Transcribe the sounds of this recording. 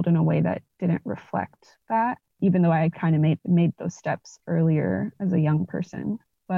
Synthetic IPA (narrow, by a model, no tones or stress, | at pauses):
lˠdɨ̃nəweɪðɨ̰t̚d̥ɪdⁿn̩ʔɹɨ̰flɛ̰k̚t̪̚ | ðæt̚ | iṽn̩ðoʊaɪɨd̚kʰãɪ̃ndɨmeɪd̚meɪd̪̚ðoʊz̥stɛpsɜ˞lˠiə̰˞ɨzɨjʌ̃ŋpʰɜ̰˞sɨ̰̃n | b̥ʌ